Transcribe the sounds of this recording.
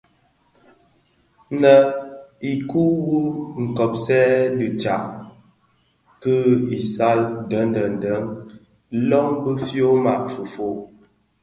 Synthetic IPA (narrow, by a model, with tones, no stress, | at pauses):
nə˨i˨ku˦wu˦ŋ̩˨kɔ˨p̚sɛ˦di˨t͡ʃa˨ʔ | kə˦i˨sa˦ldə˨˦ndə˨n̩˨də˨˦ŋ | lɔ˦ŋbə˦fjo˦ma̰˨ʔfu˨fo˦ʔ